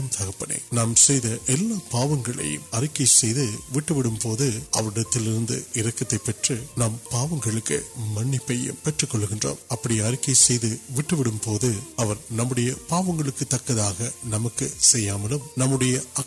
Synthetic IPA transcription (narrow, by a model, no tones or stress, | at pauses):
nt̪ɐɣɐpːɐɽḛːnnaːmsɛjðɐʔɛlːaːpaːʋɐŋɡɐɭɐ̰jɯ̰mɐɾɪkːɐɪsɛjðɯʋɪʈːɯʋɪɽɯmpoːðɯʔɐʋɐɾɪɽɐt̪ːɪlɪɾɯnd̪ɯ̰ɪɾɐkːɐt̪ːɐɪpːɛʈrɯnaːmpaːʋɐŋɡɐɭɯkːɯ̰mɐɳːɪpːɐjɯ̰mpɛʈrɯkːɔɭːɯɣɪndro̰ːmɐpːɐɽɪjɐɾɪkːɐɪsɛjðɯʋɪʈːɯʋɪɽɯmpoːðɯɐʋɐɾnɐmːɯɽɐjɐpaːʋɐŋɡɐɭɯkːɯt̪ːɐkːɐðaːɣɐnɐmɐkːɯsɛjːaːmɐlɯmnɐmːɯɽɐjɐʔɐ